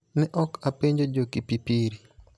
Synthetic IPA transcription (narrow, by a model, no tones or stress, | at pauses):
nɛʔɔkapeɲd͡ʒod͡ʒokipipiɾi